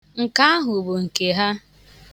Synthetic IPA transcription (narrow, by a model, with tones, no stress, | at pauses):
ŋ̩˨ka˦a˦ɦʊ˨bo˨ŋ̩˨ke˨ɦa˦